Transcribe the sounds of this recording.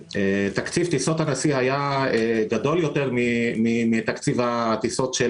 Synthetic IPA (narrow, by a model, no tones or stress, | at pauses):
et̪akt͡sivt̪isot̪anasiɦajaeɡad̪o̞ljo̞t̪e̞ʁmimimit̪akt͡sivat̪isot̪ʃe